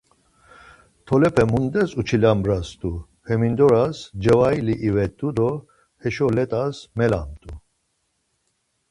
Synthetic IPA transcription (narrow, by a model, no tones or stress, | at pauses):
t̪ʰɔlɛpʰʼɛmund̪ɛsut͡ʃʰilambɾast̪ʼu | hɛmind̪ɔɾasd͡ʒɛvajliʔivɛt̪ʼːud̪ɔ | hɛʃɔlɛt̪ʼasmɛla̰mt̪ʼu